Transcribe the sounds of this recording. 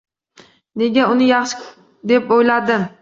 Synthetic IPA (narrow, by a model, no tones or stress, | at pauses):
ne̞ɡʲaʊnɪjɑχʃɪ̥ | d̪e̞pojlad̪ɪm